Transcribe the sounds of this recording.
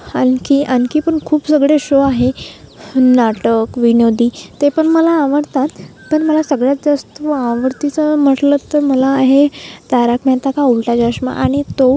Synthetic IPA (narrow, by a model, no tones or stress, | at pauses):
ənkiʔənkipəɳkʰuːpsəɡɭeɕoaɦe | naʈəkʋinod̪iːt̪epəɳməlaːʋəɽt̪at̪ːəɾməlasəɡɭjad͡zast̪ʋaʋəɾt̪it͡səm̤əʈlət̪ːəɾməlaːɦet̪aɾakmɛt̪akaulʈad͡ʑaɕma̰ʔaɽ̃it̪o